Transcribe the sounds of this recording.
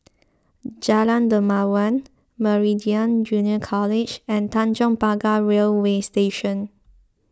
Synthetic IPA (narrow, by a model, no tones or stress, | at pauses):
d͡ʒalãndəmawə̃n | məɹidiə̃nd͡ʒũniəkʰɔlid͡ʒɛ̃ntãnd͡ʒɔ̃ŋpaɡaɹelwesteʃɔ̃n